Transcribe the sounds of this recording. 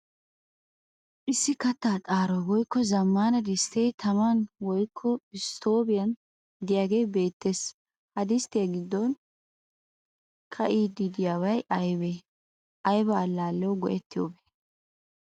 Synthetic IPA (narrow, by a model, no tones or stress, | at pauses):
ʔɪsːɪkɐt̪ːaːt̪ʼaːɾɔwɔjkːɔzɐmːaːnɐd̪ɪst̪et̪ʰɐmɐnwɔjkʰːɔɪst̪ʰo̞ːbɪjɐn | d̪ɪjaːɡeːbe̞ːt̪ːeːs | hɐd̪ɪst̪ɪjɐɡɪd̪ːɔn | kʰɐʔiːd̪ɪd̪ɪjaːwɐjʔɐjbe | ʔɐjbɐːlːaːlːɛɔwɡɔʔɛt̪ːɪjo̰ːbe